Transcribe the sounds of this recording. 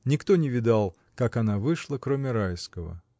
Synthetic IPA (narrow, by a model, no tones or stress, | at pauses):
nʲɪkt̪o̞nʲɪvʲɪd̪alˠ | kakanavɨʂlˠəkɾo̞mʲɪɾajskəvə̰